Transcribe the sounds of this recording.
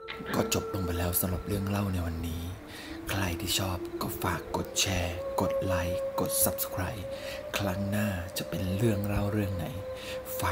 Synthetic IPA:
kɔː˥˩t͡ɕo˨˩p̚lo˧ŋpa˧jlɛː˦˥wsa˧ɾo˨˩p̚ɾɯ˥˩əŋɾa˥˩wna˧jwa˧nːiː˦˥ | kʰɾa˧jt̪ʰiː˥˩t͡ɕʰɔː˥˩p̚kɔː˥˩faː˨˩kːo˨˩t̪̚t͡ɕʰɛː˧ko˨˩t̪̚la˦˥jko˨˩t̪̚sa˨˦˥p̚skʰɾaː˦˥˩j | kʰɾa˦˥ŋnaː˥˩t͡ɕa˨˩ʔpe˧nɾɯ˥˩əŋɾa˥˩wɾɯ˥˩əŋna˩˦j | faː˨˩

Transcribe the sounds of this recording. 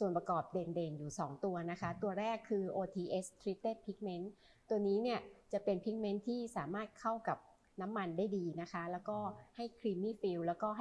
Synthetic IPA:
su˨˩ənpɾa˧kɔː˨˩p̚deː˧ndeː˧njuː˨˩sɔː˩˦ŋt̪u˧ɐna˦˥kʰa˦˥t̪u˧ɐɾɛː˥˩kʰːɯː˧ʔoː˧t̪ʰiː˧ʔe˦˥st̪ʰɾi˦˥t̪ːeː˥˩pʰi˦˥k̚me˦˥n | t̪u˧ɐniː˦˥ni˥˩ɐt͡ɕa˨˩pe˧npʰi˦˥k̚me˦˥nt̪ʰiː˥˩saː˩˦maː˥˩t̪̚kʰa˥˩wka˨˩p̚ | na˦˥mːa˧ndaː˥˩jdiː˧na˦˥kʰa˦˥lɛː˦˥wkɔː˥˩ha˥˩jkʰɾiː˧miː˥˩fi˧wlɛː˦˥wkɔː˥˩ɦ

